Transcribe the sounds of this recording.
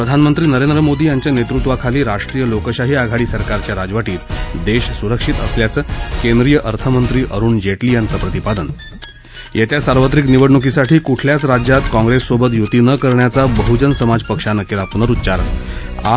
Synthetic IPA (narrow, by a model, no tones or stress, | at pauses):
pɾəd̪ʱanmənt̪ɾiːnəɾend̪ɾəmod̪iːjaɲt͡ɕjanet̪ɾut̪ʋakʰaliːɾaʂʈɾijəlokəɕaɦiaɡʱaɽiːsəɾkaɾt͡ɕjaɾad͡zʋaʈiːt̪d̪eɕsuɾəkʂit̪əsljat͡səkend̪ɾijəʔəɾt̪ʰəmənt̪ɾiːʔəɾuːnd͡ʑeʈliːjant͡səpɾət̪ipad̪ən | jet̪jasaɾʋət̪ɾikniʋəɽɳukisaʈʰiːkuʈʰljat͡sɾad͡ʑjat̪kɔ̃ŋɡɾesːobət̪̬jut̪iːnəkəɾɳjat͡sabəɦud͡ʑənsəmad͡zpəkʂanəkelapunəɾutːt͡ɕaɾə̰na̰